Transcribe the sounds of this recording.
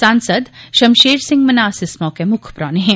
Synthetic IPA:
sãːnsəd̪ʃɐmʃeːɾsɪ̃ŋɡmɐnaːsɪsmɔkemʊkʰpɾaːneɦɛ̃

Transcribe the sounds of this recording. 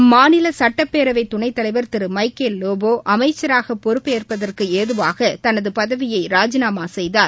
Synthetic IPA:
maːnɪlɐsɐʈːɐpːeːɾɐʋɐɪt̪ʊɳɐɪt̪ːɐlɐɪʋɐɾt̪ɪɾɯmɐɪkeːlːoːboːʔɐmɐɪt͡ʃːɐɾaːɣɐpɔɾɯpːeːrpɐðɐrkɯeːðɯʋaːɣɐt̪ɐnɐðɯpɐðɐʋɪjɐɪɾaːd͡ʒɪnaːmaːsɛjðaːl

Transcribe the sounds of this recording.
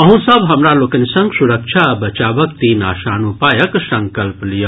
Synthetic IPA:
ɐɦũsɐbɦɐmɾaloːkɐnisɐ̃ŋɡsuɾɐkʃʰabɐt͡ʃaːbɐk̚t̪iːna̰ːʃaːnupaːjɐksɐ̃ŋkɐlplijə

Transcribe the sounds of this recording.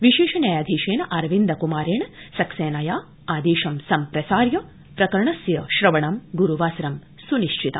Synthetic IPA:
ʋiʃeːʃɐnɐjaːd̪ʱiːʃeːnɐʔɐɾʋind̪ɐkumaːɾeːɳɐsɐkseːnɐjaː | aːd̪eːʃɐmsɐmpɾɐsaːɾjɐ | pɾɐkɐɾɳɐsjɐʃɾɐʋɐɳɐmɡuɾuʋaːsɐɾɐm | suniʃt͡ʃʰit̪ɐ̰

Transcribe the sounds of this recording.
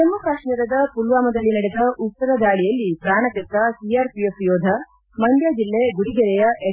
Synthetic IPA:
sɐmːɐpɾaːʂnɐɾɐd̪ɐpulʋaːmɐd̪ɐlːinɐɽed̪ɐʔut̪sɐɾɐd̪aːɭijɐlːipɾaːɳɐt̪ɐt̪ɐsiaːɾpijesjoːd̪ʱɐ | mɐnd̪jad͡ʒilːeɡuɽiɡɐɾɛjɐʔe

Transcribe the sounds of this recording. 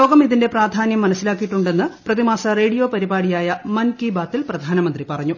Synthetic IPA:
lo̞ːɡɐmiðinde̞praːd̪ʱaːnjɐmːɐnɐsːilaːkːijiʈːuɳɖe̞nːɨprɐðimaːsɐre̞ːɽijoːpɐɾibaːɽijaːjɐmɐnkiːbaːt̪ːilprɐd̪ʱaːnɐmɐnd̪ripɐrɐɲːu

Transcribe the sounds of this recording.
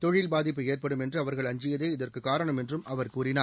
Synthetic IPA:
t̪ɔɻɪlbaːðɪpːɯeːrpɐɽɯmɛndrɯɐʋɐɾɣɐɭɐɲd͡ʒɪjɐðeːɪðɐrkɯkaːɾɐɳɐmɛndrɯmɐʋɐɾkuːɾɪnaːɾ

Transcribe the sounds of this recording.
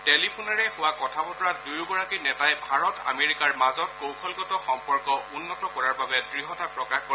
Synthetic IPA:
telipʰunaɹɛxʊwakɔtʰabɔtɔɹadujɡɔɹakinɛtajbʱaɹɔta̰meɹikaɹmazɔt̚kowkʰɔlɡɔtɔxɔmpɔɹkɔʊnːɔtɔkɔɹaɹbabɛdɹiɦɔtapɹɔkaxkɔ

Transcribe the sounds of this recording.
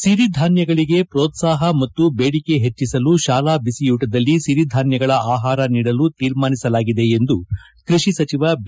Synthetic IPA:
ʃiɾid̪ʱaːnjɐɡɐɭiɡe̞pɾoːt̪saːɦɐmɐt̪ːubeːɽike̞ɦet͡ʃːisɐluʃaːlaːbisijuːʈɐd̪ɐlːiʃiɾid̪ʱaːnjɐɡɐɭɐʔaːɦaːɾɐniːɽɐlut̪iːɾmaːnisɐlaːɡid̪e̞end̪u | kɾiʂisɐt͡ʃiʋɐb

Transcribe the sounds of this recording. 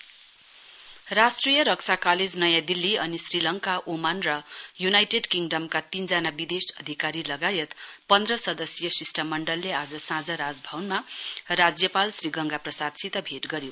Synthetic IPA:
rasʈrijʌɾʌksʰakaled͡znʌjãd̪ilːiʌnisrilʌŋkaʔomanrʌjunajʈeɖkiŋɖʌmkat̪ind͡zanabid̪esʌd̪ʱikaɾilʌɡajʌt̪pʌnd̪rʌsʌd̪ʌsjʌsisʈamʌɳɖʌlːead͡zʌsãd͡zʌɾad͡zbʱʌwnmarad͡zjʌpalsriɡʌŋɡaprʌsad̪sit̪ʌbʱeʈɡʌɾjo

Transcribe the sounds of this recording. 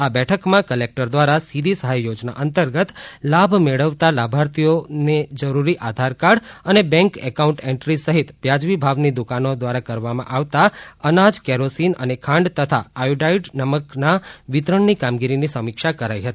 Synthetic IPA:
abɛʈʰəkmãkəlek̚ʈəɾd̪ʋaɾasid̪isəɦajːod͡ʒna̰ʔənt̪əɾɡət̪labʱmeɭəʋt̪alabʱaɾt̪ijoned͡ʒəɾuɾiʔad̪ʱaɾkaɽənebɛ̃ŋkɛ̰kauɳʈɛɳʈɾisəɦit̪ʋjad͡ʒʋibʱaʋnid̪ukanod̪ʋaɾakəɾʋamã̰ʔaʋt̪aənad͡ʒkɛɾosinə̰nekʰãɳɖt̪ət̪ʰa̰ajuɖaiɖnəməknaʋɪt̪ɾəɳnikamɡiɾinisəmikʃakəɾaiɦət̪ii̥

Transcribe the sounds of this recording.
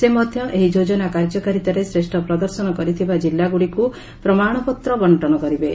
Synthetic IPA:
semɔd̪ʱjɔʔeɦid͡ʒod͡ʒɔnakaɾd͡ʒɔkaɾit̪aɾesɾesʈʰɔpɾɔd̪ɔɾsɔnɔkɔɾit̪ʰibad͡ʒilːaɡuɽiku | pɾɔmaɽ̃ɔpɔt̪ɾɔbɔɳʈɔnɔkɔɾibe

